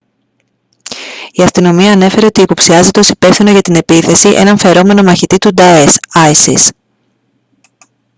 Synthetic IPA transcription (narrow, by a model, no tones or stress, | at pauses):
iɐst̪ino̞miɐːne̞fe̞ɾe̞o̞t̪iːpo̞psiɐze̞t̪e̞o̞si̥pe̞fθino̞ʝɐt̪ine̞piθe̞siʔḛnɐɱfe̞ɾo̞me̞no̞mɐçit̪it̪ud̪ɐesɐjsḭs